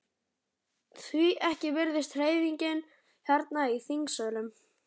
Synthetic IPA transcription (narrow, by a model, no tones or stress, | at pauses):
θviʔɛhcɪvɪɾðɪst̪r̥eːjviɲcɪn | hɛɾt̪naiθiŋksœːlʏm